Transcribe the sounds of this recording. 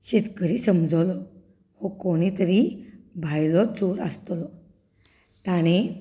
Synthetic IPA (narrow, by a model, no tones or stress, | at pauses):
ɕet̪kəɾiːsəmd͡zʱəwlɔ | hokoɽ̃it̪əɾibʱajlɔt͡soɾəst̪lɔ | t̪aɽ̃e